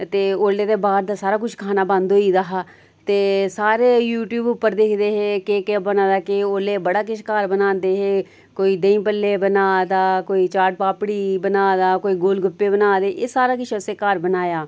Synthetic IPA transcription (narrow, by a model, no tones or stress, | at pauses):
t̪eːoːlːeːd̪eːbaːɾd̪aːsaːɾaːkʊt͡ʃʰkʰaːnaːbə̃nd̪ɦoːiːd̪aɦaː | t̪eːsaːɾeːjuːʈjuːbʊpːəɾd̪eːkʰd̪eːɦeːkekebənaːd̪aːkɪoːleːbəɽaːkɪt͡ʃʰkaɾbənãːnd̪eːɦeː | koːiːd̪əĩːpəlːeːbənaːd̪aːkoːiːt͡ʃaːʈ̚paːpɽiːbənaːd̪aːkoːiːɡoːlɡʊpːeːbənaːd̪eːʔeːsaːɾaːkɪt͡ʃʰəseːkaɾbənaːjaː